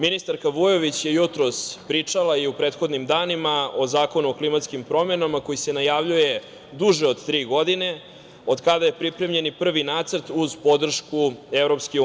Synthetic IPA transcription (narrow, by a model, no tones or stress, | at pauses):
minist̪aɾkaʋujo̞ʋit͡ɕje̞jut̪ɾo̞spɾiːt͡ʂalaiupɾe̞ːt̪xo̞d̪nimd̪aːnimaozaːko̞nuoklimat̪skimpɾo̞me̞namako̞jise̞najaʋʎuje̞ | d̪uʒeo̞d̪t̪ɾiːɡo̞d̪ine̞ | o̞d̪kad̪aje̞pɾipɾe̞mʎe̞nipr̩ʋinaːt̪sər̩t̪uzpo̞d̪r̩ʃkuevɾo̞pske